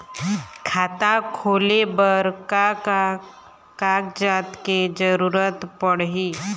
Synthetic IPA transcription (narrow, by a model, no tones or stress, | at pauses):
kʰaːt̪akʰoːlebəɾka | kaːkd͡ʒaːt̪ked͡ʒəɾuːɾət̪pəɽɦiː